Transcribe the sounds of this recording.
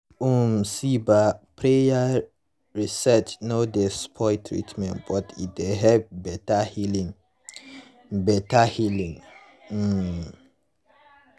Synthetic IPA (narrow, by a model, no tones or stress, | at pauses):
umsibapʰɹeja | ɹisɛt͡ʃnodɛspʰɔɪtʰɹḭtʰmɛ̰̃ntb̥ɔtʰḭt̚deɦɛbɛtahilĩŋ | bɛtahilĩŋ̩